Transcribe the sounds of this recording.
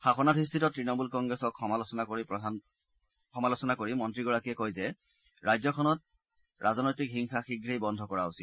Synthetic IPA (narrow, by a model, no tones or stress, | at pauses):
xaxɔnatistʰitɔtːɹinɔmulkɔŋɡɹɛsɔkxɔmalɔsɔnakoɹipɔan | xɔmalosɔnakoɹimɔntɹiɡɔɹakiɛkojzɛ | ɹajzɔkʰɔnɔt̚ | ɹʔazɔnɔjtikxiŋxaxiɡʱɹejbɔndʱɔkɔɹausit̚